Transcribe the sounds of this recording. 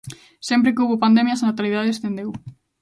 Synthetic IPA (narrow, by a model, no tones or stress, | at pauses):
sɛmpɾekuβopand̪emjasanat̪aliðaðeesθend̪ew